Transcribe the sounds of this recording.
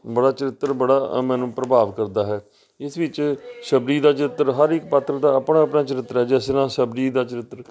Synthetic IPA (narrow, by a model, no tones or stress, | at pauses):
bəɽaːt͡ʃəɾɪt̪ːɾbəɽaːmɛ̃ːnũːpɾəbaːʋkəɾd̪aːɦɛː | ɪsʋɪt͡ʃʃəbɾiːd̪aːt͡ʃəɾɪt̪ːəɾɦəɾɪkpət̪ʰːɾəd̪aːəpɳaːəpnaːt͡ʃəɾɪt̪ːɾɦɛːd͡ʒɛːsɾãːsəbɾiːd̪aːt͡ʃəɾɪt̪ːɾ